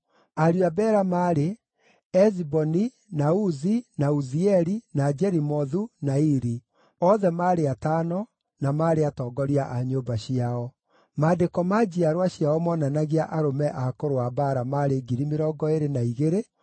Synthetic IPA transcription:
aɾjuabɛːɾamaːɾe | ɛzibɔni | nauzinauziɛɾinad͡ʒɛɾimɔðunaiɾi | ɔðɛmaːɾeataːnɔ | namaːɾeatɔːɡɔɾiaʔaɲoːbaɕiaɔ | maːdekɔmad͡ʑiaɾwaɕiaɔmɔnanaɣiaʔaɾomɛʔakoɾoabaɾamaɾeɡiɾimeɾɔɡɔeɾenaiɣeɾe

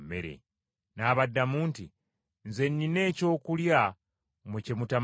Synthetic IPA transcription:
mḛɾḛ | naːβadːamuːnti | nze̞nːine̞ːco̞ːkulja | mwecemutam

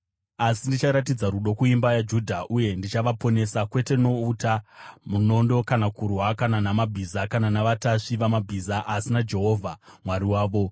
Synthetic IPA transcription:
asindit͡ʃaɾat̬id͡zaɾuɗo̞kuimbajad͡ʒudʱaʔuje̞ndit͡ʃaʋapo̞ne̞sakwe̞te̞no̞utamuno̞ndo̞kanakuɾɦakananamabʱizakananaʋataʂiʋamabʱizaʔasinad͡ʒe̞ɦo̞ːvʱamwaɾiwaːʋo̞

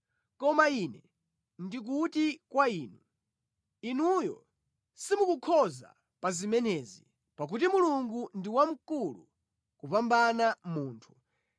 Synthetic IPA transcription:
kɔmainɛ | ndik̬utikwaiːnu | inujɔ̰ | simukukʰɔza̰ | pazimɛnɛzi | pak̬ut̬imuluŋɡundiwam̩kulṵ | kupambanamuːntʰu̥

